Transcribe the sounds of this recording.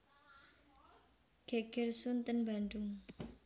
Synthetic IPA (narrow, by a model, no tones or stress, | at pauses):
ɡ̥eɡ̥ɪrsunt̪ənbaɳɖʊŋ